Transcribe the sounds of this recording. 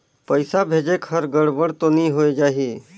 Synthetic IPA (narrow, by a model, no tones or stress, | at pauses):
pəɪsabʱeːd͡ʒekhəɾɡəɽbəɽt̪onĩɦoed͡ʒaːɦi